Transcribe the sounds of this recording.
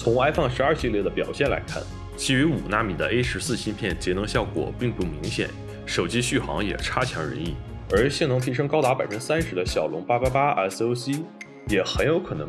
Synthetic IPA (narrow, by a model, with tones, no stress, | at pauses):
t͡sʰʊ˧˥ŋa˥ɪfɑ˥˧ŋʂɻ̩˧˥ɐ˞˥˧ɕi˥˧ljɛ˥˩d̪ə˩pjɑ˨˩ʊɕjɛ˥˩nla̰˧˥ɪkʰa̰˥˩n | t͡ɕʰi˧˥y˧˥u˨˩na˥˩mi˨˩d̪ə̰˦ʔe˥ɪʂɻ̩˧˥sɹ̩˥˧ɕi˥npʰjɛ˥˩nt͡ɕjɛ˧˥nɤ˧˥ŋɕjɑ˥˩ʊkwɔ̰˨˩pi˥˧ŋpu˥˩mḭ˧˥ŋɕjɛ̰˨˩˦n | ʂo˨˩ʊt͡ɕi˥ɕy˥˩xɑ̰˧˥ŋjɛ̰˨˩ʈ͡ʂʰa˥t͡ɕʰjɑ̰˧˥ŋɻə̰˧˥ni˥˩ | ə˞˧˥ɕjɛ˥˩ŋnʊ˧˥ŋt̪ʰi˧˥ʂ̬ɤ˥ŋkɑ˥ʊt̪a˧˥pa˨˩ɪfə˥ʈ͡ʂ̩˥sa˥nʂɻ̩˧˥d̪ə˧ɕjɑ˨˩ʊlʊ˧˥ŋpa˥pa˥pa˥a̰˧˥˩so˥ʊɕi˥ | jɛ˨˩xə˧˥njo˧˥ʊkʰɤ˨˩nɤ̰˧˥ŋ